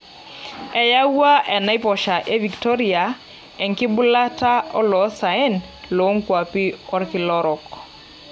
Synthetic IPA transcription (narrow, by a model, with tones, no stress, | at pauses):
ɛ˨ja˦wa˦ʔɛ˨na˦i˦pɔ˨ʃa˨ʔe˦vi˨ktɔ˦ɾi˨a˨ | ɛ˨ŋkɪ˦bʊ˦la˦ta˦ɔ˦lɔ˨˦sa˨e˦n | lo˨˦ŋkwa˨pi˦ɔ˦ɾkɪ˨lɔ˦ɾɔ˨k